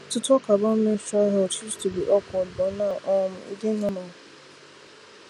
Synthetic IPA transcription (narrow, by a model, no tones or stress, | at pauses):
tʊtɔkabam̩meʃaɦɔt͡ʃid͡ʒtubiʔɔkʷɔbɔnaʔɔm̩ḭdenɔmɔ